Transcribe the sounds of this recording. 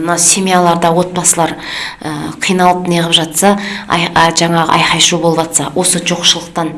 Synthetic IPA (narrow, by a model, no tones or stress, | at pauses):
mnɑsʲemijalˠɑɾd̪ɑwo̞t̪̚bɑsəlˠɑɾəqʰijnɑlˠəp̚nejʁəpʒɑt̪sɑ̰ | ʒɑɴɑʁə̰ʔɑjqɑjʃubo̞lˠəpʒɑt̪sɑwʔo̞səʒoqʃəlˠəqt̪ɑn